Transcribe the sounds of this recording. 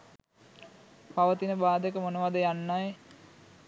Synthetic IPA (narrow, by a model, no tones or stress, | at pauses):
paʋət̪inəbaːd̪ekəmonəʋad̪əjanːaj